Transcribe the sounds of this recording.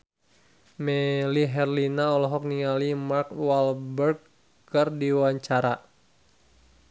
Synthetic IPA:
mɛliɦɛrlinaɔlɔɦɔk̚niŋalimarkwalbərɡ̚ | kərdiwaɲt͡ʃaɾa

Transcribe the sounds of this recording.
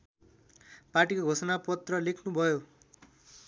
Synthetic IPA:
parʈikoɡʱosʌnapʌt̪rʌlekʰnubʱʌjo

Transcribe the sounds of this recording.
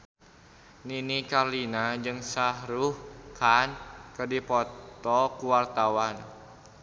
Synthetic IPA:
ninikarlinad͡ʒɨŋsaɦɾuhkʰankərdipɔt̪ɔkuwart̪awan

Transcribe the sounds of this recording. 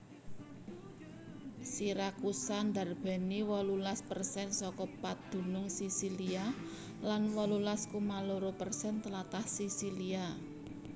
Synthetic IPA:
siɾakusand̪a̤rb̥ɛ̤niwɔlulaspərsɛnsɔkɔpad̪̥ṳnʊŋsisilia | lanwɔlulaskumaloɾopərsɛnt̪əlat̪ahsisilia

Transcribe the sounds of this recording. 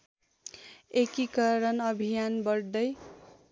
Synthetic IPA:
ekikʌɾʌnʌbʱijanbʌɽd̪ʌj

